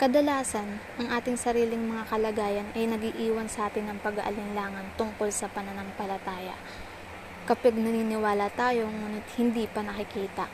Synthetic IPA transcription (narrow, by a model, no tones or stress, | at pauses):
kɐd̪ɐlaːsɐnʔɐŋʔaːt̪ɪŋsɐɾiːlɪŋmɐŋakɐlɐɡaːjɐnʔɐjnɐɡiːʔiːwɐnsɐʔaːt̪ɪnːɐŋpɐɡɐ̰ʔɐ̰lɪnlaːŋɐnt̪ʊŋko̞lsɐpɐnɐnaŋpɐlɐt̪aːjɐ̰ | kɐpɪɡ̪̚nɐniːnɪwaːlɐt̪aːjo̞ŋuːnɪt̪̚hɪnd̪iːpɐnɐkɪkiːt̪ɐ̰